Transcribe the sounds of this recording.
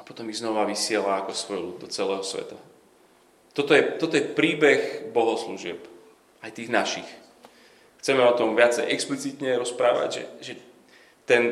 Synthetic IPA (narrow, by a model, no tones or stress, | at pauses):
apɔt̪ɔmiɣznɔʋaʋisɪɛlaːkɔsʋɔjlud̪d̪ɔt͡sɛlɛːɦɔsʋɛ̰t̪a | t̪ɔt̪ɔjɛt̪ɔt̪ɔjɛpɾiːbɛɣbɔɦɔsluʒɪɛp | ajt̪iːɣnaʃix | xt͡sɛmɛɔt̪ɔmʋɪat͡sɛjʔɛksplit͡sit̪ɲɛɾɔspɾaːʋa̰ɟʒɛ̰ʒɛ | t̪ɛn